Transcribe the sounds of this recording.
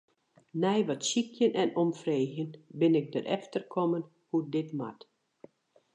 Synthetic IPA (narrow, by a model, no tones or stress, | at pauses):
nɛjʋɔtsikʰjənʔɛnɔmfreːxjənbɪnɪk̚dəɾʔɛ̰ftərkʰɔmən | hudɪtma̰t